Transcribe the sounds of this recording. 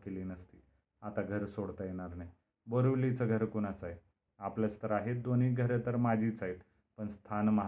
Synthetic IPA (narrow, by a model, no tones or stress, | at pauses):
keliːnəst̪iː | at̪aɡʱəɾsoɽt̪ajeɽ̃aɾnaj | bəɾuʋlit͡səɡʱəɾkuɽ̃at͡saɦe | apləst̪əɾaɦet̪̚d̪oniːɡʱəɾet̪əɾmad͡ʑʱiːt͡saɦet̪ | pəɳst̪ʰanmaɦ